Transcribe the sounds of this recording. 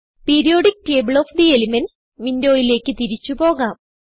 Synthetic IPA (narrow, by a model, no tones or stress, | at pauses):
peːɾijo̞ːɖik̚ːʈe̞ːbɨɭoːfd̪ielimen | ʋindo̞ːjile̞ːkʲːɨt̪iɾit͡ɕːupo̞ːɣaːm